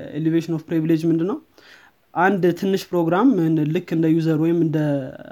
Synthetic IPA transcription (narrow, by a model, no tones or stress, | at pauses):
ḛleveʃnofpɾiβiled͡ʒmɨnd̪ɨnːəw | ʔand̪t̪ʰɨnːɨʃpɾo̞ɡɾamlɨkːɨnd̪əjuzəɾwɔjɪmɨnd̪ə